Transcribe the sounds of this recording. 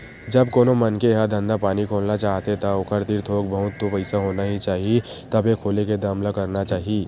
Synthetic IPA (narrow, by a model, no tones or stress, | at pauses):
d͡ʒɐbkoːnomɐnkeɦad̪ʱə̃nd̪apaːnikʰoːlnat͡ʃaːɦt̪et̪aʊkʰəɾt̪iɾt̪ʰoːk̚bɐɦʊt̪ːopɐɪsaɦoːnaɦit͡ʃaːɦiet̪ɐbekʰoːleked̪aːmlakɐɾnat͡ʃaːɦieː